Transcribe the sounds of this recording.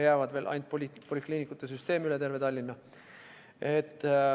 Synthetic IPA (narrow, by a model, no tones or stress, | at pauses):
jæːvɑd̪ve̞ːlʔɑ̰jnt̪̚ppo̞lʲikliːnikːˑut̪ːˑes̬yst̪e̞ːmyle̞t̪e̞rve̞t̪ɑlʲːinːɑ | et̪ˑː